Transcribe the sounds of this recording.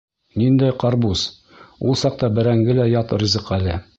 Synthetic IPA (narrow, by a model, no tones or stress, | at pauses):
nind̪æjqɑɾbus | ulˠsɑq̚t̪ɑbɘ̆ɾæŋɡɘlæjɑt̪rʲizɤqælɘ